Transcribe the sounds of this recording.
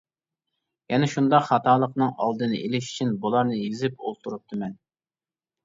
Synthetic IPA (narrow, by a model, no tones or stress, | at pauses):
jɛnɛʃund̪ɑqχɑt̪ʰɑːlˠəqnɨŋɑ̰lˠd̪ɨnɨ̰ʔelɪʃy̥t͡ʃʰinbulˠɑɾnɨjizɪpolˠt̪ʰuɾup̚t̪ʰɨmɛn